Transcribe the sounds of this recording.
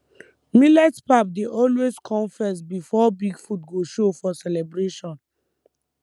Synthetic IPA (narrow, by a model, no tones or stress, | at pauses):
milɛtpap̚deʔɔlweskʰɔ̃nfɛs̬bifɔbiɡfut̚ɡoʃofɔsɛlɛbɹeʃɔ̃n